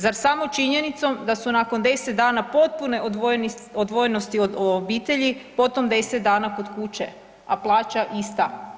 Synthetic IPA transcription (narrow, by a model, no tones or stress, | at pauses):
zaɾsamo̞t͡ʃiɲe̞nit̪so̞md̪asunako̞nd̪e̞set̪̚d̪aːnapo̞t̪̚pune̞ | od̪ʋojeno̞st̪ioobiːt̪e̞ʎipo̞t̪o̞md̪e̞set̪d̪aːnako̞d̪kut͡ʃe̞ | aplˠaːt͡ʃaʔist̪a